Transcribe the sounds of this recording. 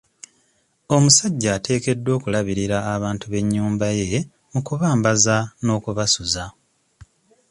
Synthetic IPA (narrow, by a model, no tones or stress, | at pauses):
o̞musaɟːaːte̞ːke̞dːwo̞ːkulaβiɾiɾaːβaːntuβe̞ɲːuːmbaje̞ | mukuβaːmbazano̞ːkuβasuza